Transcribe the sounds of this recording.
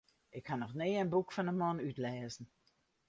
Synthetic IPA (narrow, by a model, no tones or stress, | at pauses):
ʔɪkhanɔxneːənbukfɔnəmɔnytlɛːzn̩